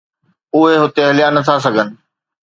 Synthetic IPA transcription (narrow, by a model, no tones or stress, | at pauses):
ʊɦeɦʊt̪eɦɐlɪjanɐt̪ʰas̬ɐɡʱənɪ̆